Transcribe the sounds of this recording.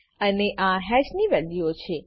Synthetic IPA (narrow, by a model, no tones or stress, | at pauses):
əneʔãɦɛd͡ʒniʋɛliot͡ʃʰe